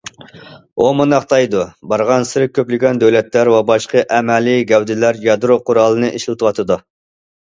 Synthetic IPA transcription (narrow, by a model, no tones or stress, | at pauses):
omɨnɑχt̪ʰɑjd̪ubɑɾʁɑnsɨɾɪkʲʰːøplɪɡʲɛnd̪øwlɛt̪læɾwɛbɑʃqəʔɛmɛliɡʲɛwd̪ɪlæɾjɑd̪ɾoqʰʊɾɑlˠɨnɨʔiʃlˠɨt̪ʰɨwɑt̪ʰɨd̪u